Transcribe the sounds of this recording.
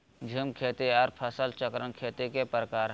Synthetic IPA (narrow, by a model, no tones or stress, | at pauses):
d͡ʒʱimkʰeːt̪eaːɾpʰəsəlt͡ʃəkɾənkʰeːt̪ekepɾəkaːɾ